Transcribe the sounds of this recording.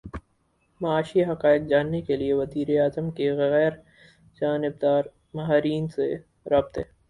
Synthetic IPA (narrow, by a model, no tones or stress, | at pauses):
mɐaːʃiɦɐqaːɪk̚d͡ʒaːnːekelieʋɐziːɾeaːzəmkeɣɣɛːɾ | d͡ʒaːnɪb̚d̪aːɾ | mɐɦaːɾiːnsḛ | ɾaːb̚t̪ɦɛː